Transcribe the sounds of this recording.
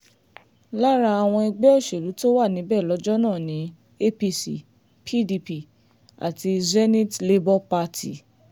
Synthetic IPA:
la˦ɾa˧a˨w̃ɔ̃˧i˧ɡ͡bɛ˦ɔ˦˨ʃe˨ɾu˨˦to˦wa˦˨nĩ˨˦bɛ˦˨lɔ˨˦d͡ʒɔ˦nãː˦˨nĩ˨˦ | e˦pi˦si˦˨ | pʰi˦di˧pi˦˨ | a̰˨ti˧zɛ˦nĩ˦tle˦bɔ˦pa˧tʰi˨

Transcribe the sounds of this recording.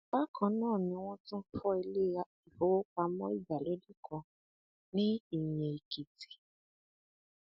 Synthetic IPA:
ba˦kʰɔ̃˧nãː˦˨nĩ˧˦w̃ɔ̃˦tũ˦fɔ˦i˧le˦a˨i˨ho˨˦wo˦k͡pa˧mɔ̃˦i˦˨d͡ʒa˨lo˨˦di˦kʰɔ̃˧ | nĩ˦i˦˨jẽ˨i˨ki˨ti̥˨

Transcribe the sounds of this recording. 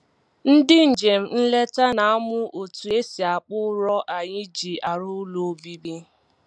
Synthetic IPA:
n̩˦dɪ˦n̩˨d͡ʒe˨m̩˦n̩˦le˦ta˦na˨a˦mʊ˦ʔo˨tu˨e˦si˨a˨k͡pʊ˦ɾɔ˦ʔa˨ɲɪ˦d͡ʒi˨a˨ɾʊ˦lo˨˦bi˦bi˦

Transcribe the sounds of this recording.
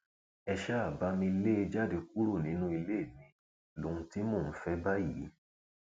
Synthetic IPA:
ɛ˧ʃɛ˦a˦˨ba˨˦mĩ˧i˧le˦e˧d͡ʒa˦˨de˧k̚u˦ɾo˦˨nĩ˨˦nũ˦i˧le˦˨mĩ˧ | lo˨ũ˧ti˦mõ˦˨ñ̩˦fɛ˦ba˦ji˨˦

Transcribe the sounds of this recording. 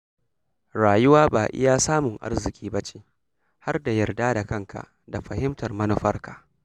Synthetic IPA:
ɽaː˨jʊ˦waː˦baː˨ʔɪ̰˦jaː˦saː˦mʊ˨ŋʔa̰˦rzɪ˨kʲʼiː˦bɐ˦t͡ʃe̥ː˦ | ha˦rda˨jɐ˨rdaː˦da˨kɐ˦ŋka̰˨ʔ | da˨ɸɐ˨hɪ˦mtɐ˨rmɐ˦nu˦ɸɐ˦rka˨ʔ

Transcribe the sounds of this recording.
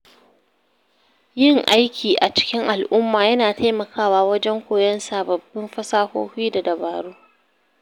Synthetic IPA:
jɪ˦˨ŋʔa˦jkʲʰiː˨ʔa˨t͡ʃɪ̥˦kʲɪ˦ŋʔa˨lʔʊ˦mːaː˨jɐ˦naː˨tʰa˦mɐ˨kʰaː˦waː˦wɐ˦d͡ʒɛ˦ŋkʷoː˨jɐ˦nsaː˨bɐ˨bːɪ˦mɸɐ˦saː˦ho̰ː˦ɸiː˦da˨dɐ˨baː˨ɾuː˦

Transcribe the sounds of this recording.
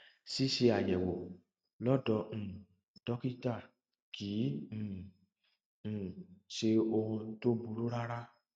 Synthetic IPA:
si˦ʃe˧a˨jɛ̃˨wo˨ | lɔ˦dɔ˧ñ̩˨ | d̥ɔ˦ki˦ta˦˨ | kĩ˨˦˨ | ʃe˧o˧ũ˧to˦bu˧ɾu˦ɾa˦ɾa˦

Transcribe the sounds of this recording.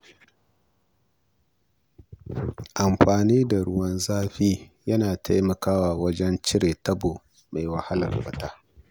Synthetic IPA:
ʔa˨mɸaː˨niː˦da˨ɽʊ˦wɐ˦nzaː˦ɸiː˦jɐ˦naː˨ta˦jmɐ˨kaː˦waː˨wɐ˦d͡ʒɛ˦nt͡ʃɪ˦ɽeː˨tɐ˦boː˨ | ma˨jwɐ˨ha˦lɐ̰˨rɸɐ˦˨taː˦

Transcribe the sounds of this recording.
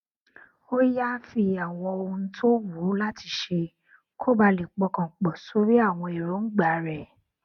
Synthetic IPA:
o˦ja˦fi˧a˨w̃ɔ̃˧o˧u˧ũ˧tʰo˦wu˨˦la˦ti˧ʃe˧ | kʰo˦ba˧le˨k͡pɔ˧kã˨k͡pɔ˨so˨˦ɾi˦a˦˨w̃ɔ̃˧e˨ɾo˨˦ŋ̩˦ɡ͡ba˨˦ɾɛ˨

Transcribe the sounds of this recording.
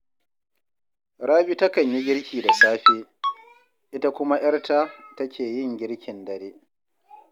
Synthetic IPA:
ɾaː˦bi˦ta˦kɐ˨ɲji˦ɡʲɪ˦ɾkʲʰiː˨da˨saː˦ɸeː˦ | ʔɪ˦ta˦kʷʊ˦ma˦ʔɐ˦ɽta˦tɐ˦kʰʲeː˨jɪ˦ŋɡʲɪ˦ɾkʲɪ˨ndɐ˨ɾeː˦

